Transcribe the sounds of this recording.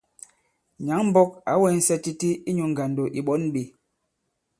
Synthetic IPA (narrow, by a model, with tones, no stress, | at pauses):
ɲa˨˦ŋm̩˦bɔ˦k̚a˨˦wɛ˨˦n̩˦sɛ˦ti˦ti˦i˦ɲu˨ŋ˨ɡa˨ndo˨ʔi˨ɓɔ˦nɓi˨